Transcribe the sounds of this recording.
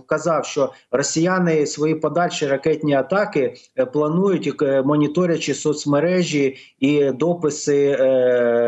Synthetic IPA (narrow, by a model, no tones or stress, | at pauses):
kɐzɑwʃt͡ʃɔrɔsʲijɑnɪsʋɔjipɔd̪ɑlʲʃiɾɐkɛt̪ʲnʲiɐt̪ɑkɪ | plˠɐnujʊtʲmɔnʲit̪ɔɾʲɐt͡ʃɪsɔt̪smeɾɛʒʲi | id̪ɔpɪsɪ